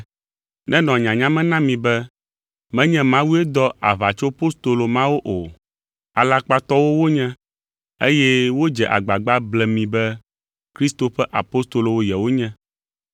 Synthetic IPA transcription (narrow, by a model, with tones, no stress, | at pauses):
nʔɛ̃˦nɔ̃˨ɲã˨ɲã˦mɛ̃˦nã˦mĩ˨bɛ˦ | mɛ̃˦ɲɛ̃˦mã˦wu˦e˦d̪ɔ˦a˨va˨t͡ʃo˦po˦st̪o˨lo˨mã˦wo˦ʔo˨ | a˨la˦k͡pa˦t̪ɔ˦wo˦wo˦ɲɛ̃˦ | e˦jɛ˦wo˦d͡ʒɛ˨ʔa̰˨ɡ͡ba˨ɡ͡ba˦blɛ˨mĩ˨bɛ˦ | kɾi˦st̪o˨ɸɛ˦ʔa̰˨po˦st̪o˨lo˨wo˦jɛ˨wo˦ɲɛ̃˦